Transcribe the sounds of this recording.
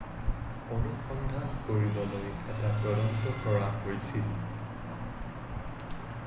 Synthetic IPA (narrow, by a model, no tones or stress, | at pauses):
onuxɔndʱankoɹibɔlojɛtaɡɔlɔntɔkɔɹaɦojsil